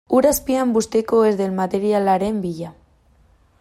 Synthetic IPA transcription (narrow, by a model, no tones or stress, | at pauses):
uɾaspiambust̪ekoezðelmat̪eɾjalaɾembiʎa